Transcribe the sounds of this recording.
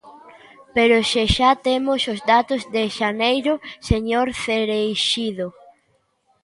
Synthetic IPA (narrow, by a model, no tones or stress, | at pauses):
peɾʊʃeʃat̪emʊsozd̪at̪ozðeʃanejɾʊseɲoɾθeɾejʃiðo